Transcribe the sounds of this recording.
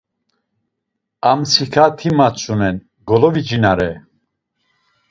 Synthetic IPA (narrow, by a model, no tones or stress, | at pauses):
amt͡sʰikʰat̪ʰimat͡sʰʼunɛn | ɡɔlɔvid͡ʒinaɾɛ